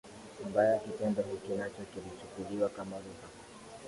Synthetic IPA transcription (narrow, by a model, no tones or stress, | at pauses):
mbajakipɛndɔɦikinat͡ʃɔkilit͡ʃukuliwakamaɾuha